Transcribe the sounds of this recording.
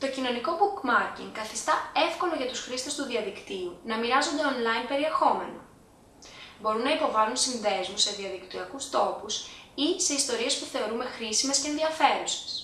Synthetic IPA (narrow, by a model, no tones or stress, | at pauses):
t̪o̞cino̞niko̞bukmɐɾcḭŋkɐθist̪ɐe̞fko̞loʝɐt̪usxɾist̪e̞st̪uðiɐðikt̪iunɐmiɾɐzo̞nd̪e̞onlɐjinpe̞ɾie̞xo̞me̞no̰ | bo̞ɾunːɐipo̞vɐlunsinðe̞zmuse̞ðiɐðikt̪iɐkust̪o̞pusise̞ist̪o̞ɾie̞spuθe̞o̞ɾume̞xɾisimescenðiɐfe̞ɾuse̥s